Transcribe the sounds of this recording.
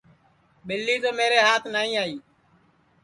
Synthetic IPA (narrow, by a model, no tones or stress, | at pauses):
ɓɪlːiːd͡ʒoːmeːɾeːɦaːt̪ʰnaːĩːaːiː